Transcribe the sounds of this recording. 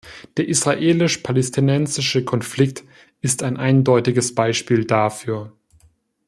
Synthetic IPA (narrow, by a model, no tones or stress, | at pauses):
d̥eːɐʔisʁ̥aʔeːlɪʃpʰalɛstʰinɛnzɪʃəkʰɔnflɪk̚t | ɪstaɪnʔaɪndɔʏtɪɡəsb̥aɪʃpiːldafyːɐ